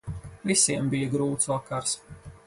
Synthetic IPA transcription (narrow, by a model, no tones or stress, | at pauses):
visiɛmbijɐɡɾuːt̪suɔkaɾs